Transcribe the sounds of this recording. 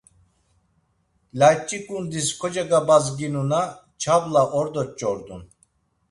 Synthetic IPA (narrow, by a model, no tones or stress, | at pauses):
lat͡ʃʼːikʼund̪iskʰɔd͡ʒaɡabazɡinuna | t͡ʃʰablaʔɔɾd̪ɔt͡ʃʼɔɾd̪ṵn